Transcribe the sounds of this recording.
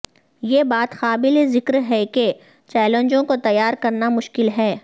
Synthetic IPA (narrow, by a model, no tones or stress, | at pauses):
jeːbaːt̪xaːbɪlezɪkɾɦɛke | t͡ʃɛːlə̃ɲd͡ʒõkot̪ɐjːaːɾkɐɾnamʊʃkɪlɦɛː